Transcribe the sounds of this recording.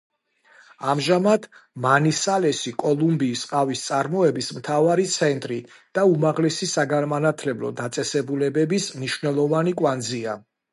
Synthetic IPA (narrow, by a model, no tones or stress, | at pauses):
amʒamad̪ʰmanisalɛsikʼɔlˠumbiːsqʼavist̪sʼaɾmɔɛbismt̪ʰavaɾit̪sʰɛnt̪ʼɾi | d̪̥aumaʁlɛsisaɡanmanat̪ʰlɛblɔ̰d̪at̪sʼɛsɛbulɛbɛbismniʃwnɛlˠɔvanikʼwand̪zia